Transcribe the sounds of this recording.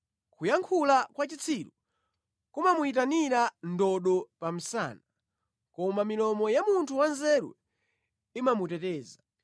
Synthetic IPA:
kʰujaŋkʰulakwat͡ʃit͡sʰiɾu | kumamuitaniɾandɔɗɔpam̩sa̰ːna | kɔmamilɔmɔjamuntʰuwanzɛɾṵ | imamutɛtɛːza

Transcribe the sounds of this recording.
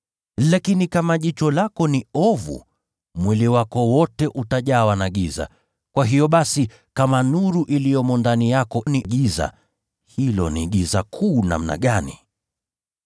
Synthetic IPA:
lakinikamaʄit͡ʃɔlakɔniɔvṵ | mwɛliwakɔwɔtɛʔutaʄawanaɠiza̰ | kwaɦijɔɓasi | kamanuɾuʔilijɔmɔndanijakɔniɠiza̰ | hilɔ̰niɠizakʰuːna̰m̩na̰ɠani

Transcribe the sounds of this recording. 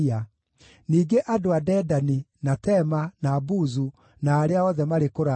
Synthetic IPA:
a | niːɡeʔadoadɛːdaninatɛmanabuzu | naːɾeaɔðɛmaɾekoɾa

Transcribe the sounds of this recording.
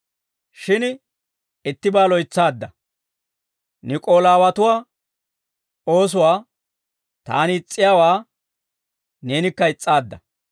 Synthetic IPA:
ʃɪn | ɛt̪ːɪbaːlɔjt͡sːaːd̪ːɐ | nɪkʼo̞ːlaːwɐt̪ʊwaː | o̞ːs̬ʊwaː | t̪a̰ːnɪɪt͡sʼːɪjaːwaː | ne̞ːnɪkːɐɪt͡sʼːaːd̪ːɐ

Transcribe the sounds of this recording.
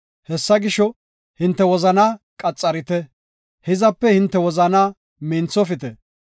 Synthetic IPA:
hɛsːɐɡɪʃɔ | hɪnt̪ːɛwɔzɐnaːkʼɐt͡sʼːɐɾɪt̪ɛ | hɪzɐpːɛhɪnt̪ːɛwɔzɐnaː | mɪnt͡sːɔfɪt̪ɛ

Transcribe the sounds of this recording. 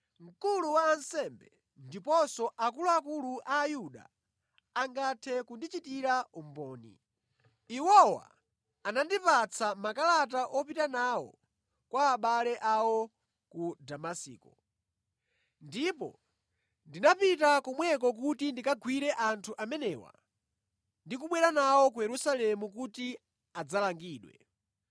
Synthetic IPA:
ŋ̩kuluwaːnsɛmbɛ | ndipɔsɔʔakuluakuluʔaːjuɗa̰ː | ŋɡatʰɛkundit͡ʃitiɾaum̩bɔːnḭ | iwɔwa̰ | anandipat͡sʰamakalat̬aʔɔpitanaːwɔ̰ | kwaːɓalɛʔawɔ | kudamasḭːkɔ | ndipɔ̰ | ndinapitakɔmwɛk̬ɔk̬utindikaɡwiɾɛʔantʰuʔamɛnɛːwa̰ | ndikuɓwɛɾanawɔk̬ujɛɾusalɛmukuti | ad͡zalaŋɡiːɗwɛ̰

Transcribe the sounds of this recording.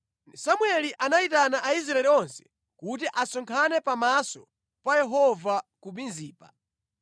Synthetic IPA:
samwɛliʔanaitanaʔais̬ɾaɛliɔnsɛ̥ | kut̬iʔasɔŋkʰanɛpamasɔ | pajɛɦɔvakubinziːpa

